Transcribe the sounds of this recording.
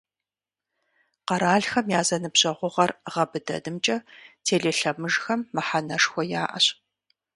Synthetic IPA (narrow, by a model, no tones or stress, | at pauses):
qɐɾaːɮxɐmjaːzɐnɨpɕʼɐʁʷʊʁɐrʁɐbɨdɐ̰dɨmt͡ʃʼɐtʰeːɮeːɬɐmɨʒxɐmːɨħanɐʂxʷɔja̰ːʔɐ̰ɕ